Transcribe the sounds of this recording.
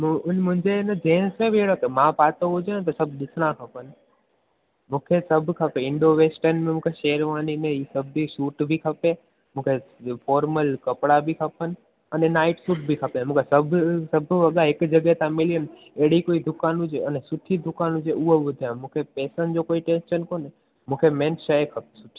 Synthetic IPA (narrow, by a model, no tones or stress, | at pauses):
mũʊnmʊ̃ɦɪ̃ɲd͡ʑeɪnəd͡ʑẽːnsmẽbieɽəkmãpaːt̪oɦʊd͡ʒant̪ɐsɐbʱɗɪsɽ̃akʰɐpənɪ̆ | mũːkʰesɐbʱkʰɐpeɪ̃ɳɖoʋeːsʈəɾnmẽmũːkʰeʃeːəɾʋaːninẽiːsɐbʱisuːʈbʱikʰɐpe | mũːkʰefɔːɾməlkɐpɽabʱikʰɐpənɪ̆ | ɐnenaːɪʈsuːʈ̚bʱikʰɐpemũːkʰesɐbʱsɐbʱʋɐɠaɦɪkd͡ʑɐɡəɦt̪ãmɪliən | eɦɽ̤ikoːid̪ʱʊkaːnʊd͡ʑeɐnesʊʈʰid̪ʱʊkaːnɦʊd͡ʑeʊɦoɓʊd̪ʱamũːkʰepɛːsənɪ̆d͡ʑokoːiʈẽːnʃənkoːne | mũːkʰemẽnʃəekʰɐpesʊʈʰi